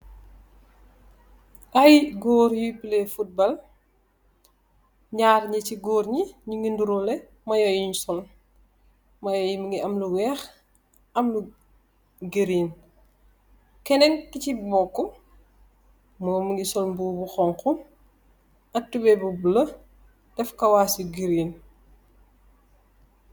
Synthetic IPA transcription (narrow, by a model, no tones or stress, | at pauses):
ʔɐjɡɔːɾjipilɛfut̚bɐl | ɲaɾɲiciɡɔːɾɲiɲiŋɡinduɾulɛ | mɐjɔjiɲsɔl | mɐjɔjimɐŋɡiɐmluwɛːx | ɐmlu | ɡiɾin | kɛnɛŋkicibɔkːɔm | mɔːmɐŋɡisɔlmbuːbuxɔŋkum | ɐtːubɛbubulɐ | d̥ɛfkɐwaːsiɡiɾiːn